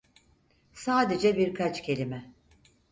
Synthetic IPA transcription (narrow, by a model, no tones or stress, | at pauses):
saːd̪e̞d͡ʒɛbiɾkʰat͡ʃcʰe̞lʲimɛ